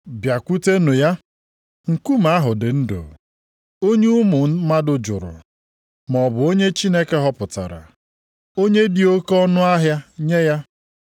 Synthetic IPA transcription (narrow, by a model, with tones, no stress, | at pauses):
bja˨kʷu˦te˦nʊ˨ja˦ | ŋ̩˨ku˦ma˨a˦ɦʊ˨dɪ˨n̩˦do̰˨ | o˦ɲe˦u˦mʊ˨˦ma˦dʊ˨d͡ʒʊ˨ɾʊ̰˨ | m˨ɔ˨bʊ˨o˦ɲe˦t͡ʃi˦ne˦ke˦ɦɔ˦pʊ˨ta̰˨ɾa̰˨ | o˦ɲe˦di˨o˦kɔ˦nʊ˦a˦ɦja˦ɲe˦ja˦